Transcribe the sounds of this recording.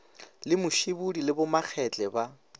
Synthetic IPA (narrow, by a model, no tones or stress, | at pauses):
lɪmʊʃibudilɪbʊmak͡xʰɛt͡ɬʼɛba